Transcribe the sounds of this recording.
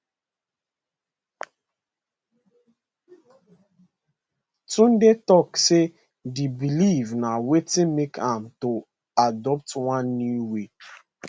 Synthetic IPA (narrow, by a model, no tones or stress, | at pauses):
tũndetɔkse | dibilivnawetĩnmekʰãmto | adɔp̚twãnːuwe